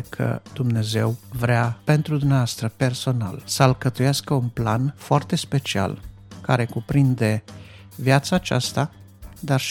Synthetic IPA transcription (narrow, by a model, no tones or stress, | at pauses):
kʰə̰d̪̥umne̞ze̞wvɾeape̞nt̪ɾud̪umneavast̪ɾəpe̞rso̞na̰lsəlkət̪ujaskəunplanfoart̪e̞spe̞t͡ʃia̰l | kaɾe̞kupɾind̪e̞ | vjat̪saːt͡ʃa̰st̪a | d̪arʃ